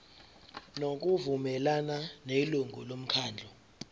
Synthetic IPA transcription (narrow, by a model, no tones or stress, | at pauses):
nok̬ʼuvumɛlananeluŋʱṵlom̩kʰaːnd͡ɮʱɔ